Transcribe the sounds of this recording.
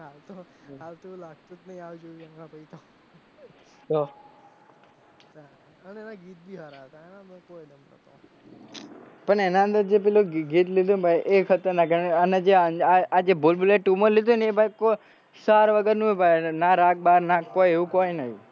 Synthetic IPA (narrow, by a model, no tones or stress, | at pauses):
ɦalt̪o | ɦalt̪olaɡ̚t̪ut̪nəɦĩaʋid͡ʒoʋiəŋɡãpəit̪ʰo | t̪o | a | ənɛnaɡit̪̚bʱiɦaɾaɦət̪aenamə̃kojnəmət̪a | pəɳenãənd̪əɾd͡ʒep̬eloɡit̪lid̪ʱunbʱajʔekʰət̪əɾnakəɾnanad͡ʒeəaad͡ʒebolbuleʈʈːumolid̪uneebʱajko | saɾʋəɡəɾnũbʱajnaɾak̚baɾnakojeʋũkojnəɦĩ